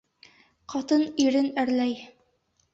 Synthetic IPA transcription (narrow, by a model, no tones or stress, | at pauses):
qɑt̪ɤniɾɘnæɾlæj